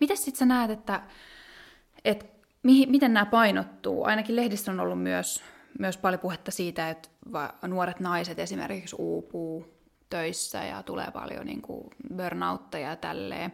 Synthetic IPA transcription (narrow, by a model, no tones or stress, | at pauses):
mit̪æssit̪sænæːt̪et̪ːæ | et̪ | mihimit̪ennæːpɑinot̪ːṵːɑ̰inɑkillehdisːono̰lːummyøs | myøspɑljopuhet̪ːɑsiːt̪æet̪ʋɑnuoɾet̪nɑiset̪esimḛrkiksuːpuː | t̪øisːæ̰jɑ̰t̪ulḛːpɑ̰ljo̰nḭːŋkṵbørnɑut̪ːɑjɑjt̪æ̰lːḛː